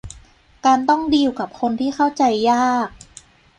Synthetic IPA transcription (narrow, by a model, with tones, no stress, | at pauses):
kaː˧nt̪ɔ˥˩ŋdiː˧wka˨˩p̚kʰo˧nt̪ʰiː˥˩xa˥˩wt͡ɕa˧jːaː˥˩k̚